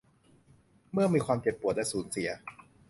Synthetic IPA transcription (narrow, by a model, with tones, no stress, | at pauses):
mɯ˥˩ɐmiː˧kʰwaː˧mt͡ɕe˨˩pːu˨˩ət̪la˥˩suː˩˦nsi˩˦ɐ